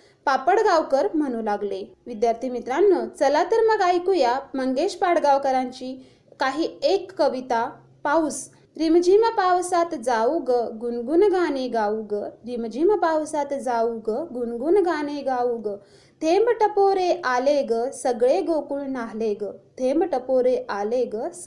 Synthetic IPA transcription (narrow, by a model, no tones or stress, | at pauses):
papəɽɡawkəɾm̤əñulaɡleʋid̪jaɾt̪ʰimit̪ɾanːət͡səlat̪əɾməɡajkujaməŋɡeɕpaɽɡawkəɾaɲt͡ɕi | kaɦiːekːəʋit̪a | paws | ɾimd͡ʑiməpawsat̪d͡zauɡɡunɡunɡaneɡaɡɾimd͡ʑimpawsat̪d͡zauɡɡunɡunɡaneɡauɡ | t̪ʰembʈəpoɾeʔaleɡsəɡɭeɡokuːɳnaɦleɡət̪ʰembʈəpoɾeʔaleɡə